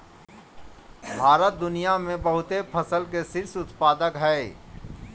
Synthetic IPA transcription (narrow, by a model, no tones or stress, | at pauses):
bʱaːɾət̪̚d̪ʊnijamẽbəɦʊt̪epʰəsəlkesɪɾsʊt̪paːd̪əkɦɛ